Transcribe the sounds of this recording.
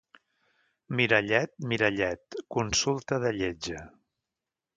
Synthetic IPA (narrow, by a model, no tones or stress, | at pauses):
miɾəʎɛt̪̚miɾəʎɛt̪kunsulˠt̪əðəʎed͡ʒə